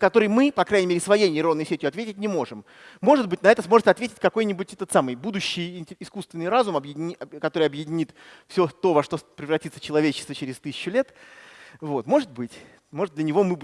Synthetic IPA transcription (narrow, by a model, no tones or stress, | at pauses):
kɐt̪o̞ɾɨjmɨpɐkɾajʲnʲɪmʲeɾʲɪsvɐjejnʲɪɾonːəjsʲetʲjʊɐt̪vʲetʲɪt̚ʲnʲɪmo̞ʐɨmː | o̞ʐɨd̪bɨtʲnɐɛt̪əsmo̞ʐɨt̪sʲɐt̪vʲetʲɪt̚ʲkɐko̞jnʲɪbʊtʲɛt̪ət̪samɨjbud̪ʊɕːɪjɪnʲtʲɪskust̪vʲɪnːɨjɾazʊmɐbjɪdʲɪnʲikɐt̪o̞ɾɨjɐbjɪdʲɪnʲit̪fsʲo̞t̪o̞vɐʂt̪o̞pɾʲɪvrɐtʲit̪sə̥t͡ɕɪlˠɐvʲet͡ɕɪst̪vət͡ɕɪɾʲɪst̪ɨsʲɪ̥t͡ɕːʊlʲet̪ | vo̞t̪mo̞ʐɨt̪̚bɨtʲ | mo̞ʐɨt̪d̪lʲənʲɪvo̞mɨ